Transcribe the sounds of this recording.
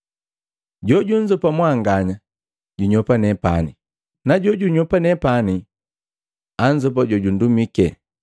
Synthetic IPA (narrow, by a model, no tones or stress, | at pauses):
ɟɔɟuɲzɔpamwaŋɡaɲa | ɟuɲɔpanɛpa̰ni | naɟɔɟuɲɔpanɛpani | aɲ̩d͡ʒɔp̬aɟɔɟun̩dumikɛ